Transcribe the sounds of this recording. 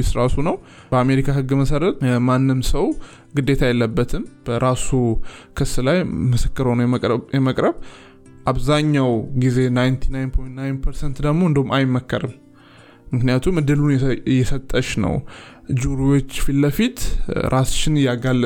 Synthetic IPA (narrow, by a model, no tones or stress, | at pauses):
ɪsɾasunəw | bəame̞ɾikʰahɨɡːməsəɾət̪manːɨmsəw | ɡɨd̪ːe̞t̪ʰajɛlːəbːət̪ʰɨmb̥əɾasukʰɨsːlajməsɨkːɨɾəwnəwjɛməkʼɾəβ | ʔaβzaɲːawɡize̞najnt̪ʰi̥najnpʰo̞jnt̪najnpʰəɾsɛnt̪d̪əɡmo̞ɨnd̪əwumajmːəkːəɾɨm | mɨknɨjat̪ʰumːɨd̪ɨlunjɛsət̪ʼːəʃnə̰w | d͡ʒuɾiwot͡ʃːfilːəfit̪ɾʔast͡ʃɪnɨjaɡalːə